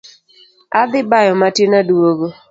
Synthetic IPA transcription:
ad̪ɪbajɔmatjenaduwoɡo

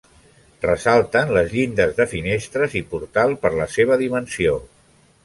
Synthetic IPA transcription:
rəsalˠt̪ənləzʎind̪əzðəfinest̪ɾəzipuɾt̪alˠpəɾləseβ̞əðimənsio

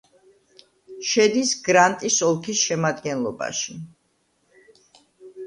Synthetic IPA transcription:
ʃɛd̪isɡɾant̪ʼisɔlˠkʰisʃɛmad̪ɡɛnlˠɔba̰ʃi

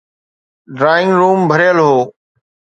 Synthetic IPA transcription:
ɖɾaːɪ̃ŋɡɾuːmbʱəɾjəlɦoː

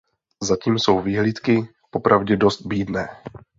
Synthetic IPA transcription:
zaciːmso̞wviːɦliːt̪kɪ | po̞pɾʔavɟɛdo̞st̪̚biːdnɛː

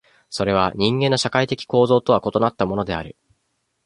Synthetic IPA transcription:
so̞ɾe̞β̞aɲ̟ĩŋɡẽ̞nːoɕakait̪e̞kʲi̥ko̞ːzo̞ːt̪o̞βako̞t̪o̞nat̪ːamo̞no̞d̪e̞a̰ɾɯ̟

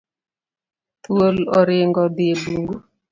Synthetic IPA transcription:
twolɔɾɪŋɡɔdiebuŋɡo

